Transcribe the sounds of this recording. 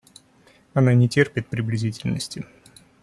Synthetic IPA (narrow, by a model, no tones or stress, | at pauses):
ɐnanʲɪtʲerpʲɪt̪̚pɾʲɪblʲɪzʲitʲɪlʲnəsʲtʲɪ